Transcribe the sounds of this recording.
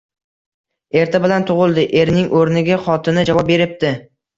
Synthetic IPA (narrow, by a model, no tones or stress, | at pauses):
e̞ɾt̪ʰabɪlant̪ʰʊʁɨlˠd̪ɪʔe̞ɾnɪŋʔoɾnɪɡʲaχɒt̪ʰɪnɪd͡ʒavɒp̚be̞ɾɪp̚t̪ɪ